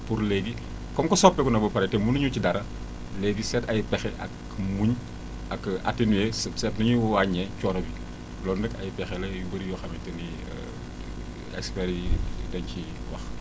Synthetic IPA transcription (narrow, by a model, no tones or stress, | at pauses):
puɾleɡi | kɔmkɔsɔpːɛkɔnɐbɐpɐɾɛtɛmunɐɲucidɐɾɐ | leɡisɛtɐjpɛxɛʔɐ̰k | muɲ | ɐka̰tːinwɛssɛtnɐɲuwwaɲːɛt͡ʃɔːnɐbi | lɔːndɐkɐ̰jpɛxɛlɐjubɐɾijɔxɐmɛtɐnḭ | ɛ̰kspɛɾtɐɲci | wɐx